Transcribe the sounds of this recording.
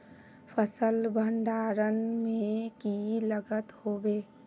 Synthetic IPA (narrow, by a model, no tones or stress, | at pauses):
fʰəsəlbʱə̃ɳɖaːɾənmẽkiləɡət̪hoːbeː